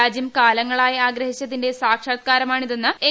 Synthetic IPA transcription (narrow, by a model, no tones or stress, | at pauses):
aːd͡ʑjɐmkaːlɐŋːɐɭaːjɐaːɡɾɐhit͡ɕːɐðinde̞saːkʂakːaːɾɐmaːɳiðenːɐe